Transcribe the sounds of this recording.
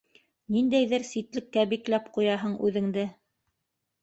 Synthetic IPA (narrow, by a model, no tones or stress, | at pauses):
nind̪æjðɘɾsit̪lɘ̆kːæbiklæpqujɑɦɤɴʉðɘ̆ŋd̪ɘ